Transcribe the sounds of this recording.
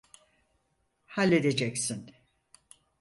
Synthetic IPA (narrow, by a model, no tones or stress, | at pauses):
halʲːe̞d̪e̞d͡ʒɛcsin